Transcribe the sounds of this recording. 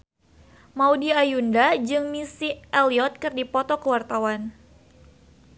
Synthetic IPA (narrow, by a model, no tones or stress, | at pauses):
maudiajundad͡ʒɨŋmisiɛliɔt̪̚kɨrdipɔt̪ɔkəwart̪awan